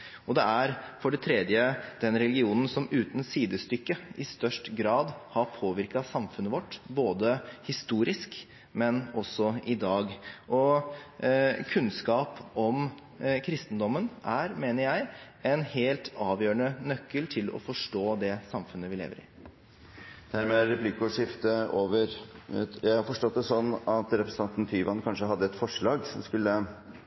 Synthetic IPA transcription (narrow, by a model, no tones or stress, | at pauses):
ɔd̪ɛæɾfɔɖɛt̪ʰɾɛd̪jəd̪̥ɛnɾɛlɡɪuːnən̩sɔmʉːt̪n̩siːd̪əst̪ʏkːəɪst̪œʂʈɡɾɑːd̪hɑɾpʰoːʋɪɾkɑsɑmfʉnːəʋɔʈːboːd̪əhɪst̪uːɾɪsk | mɛnɔsːɔɪd̪ɑːɡʔɔ | kʰʉnskɑːpɔm | kʰɾɪst̪ənd̪ɔmːənʔæɾmeːnəɾjæɪ | ɛnheːlt̪ʰɑːʋjøːəɳənœkːəlt̪ʰɪlɔ̰fɔʂʈoːd̪ɛsɑmfʉnːəʋɪlḛːʋəɾɪ̰ | d̪̥æɾmɛɾɛpʰlɪkʊʂɪft̪əoːʋəɾjæɪhɑɾfɔʂʈɔt̪̚ːd̪ɛsɔnːɑt̪ɾɛpɾəsn̩ʰɑnt̪n̩t̪ʰyːʋɑnkʰɑnʂəɦɑd̪ːəɛt̪fɔʂɭɑːɡsɔmskʉlːə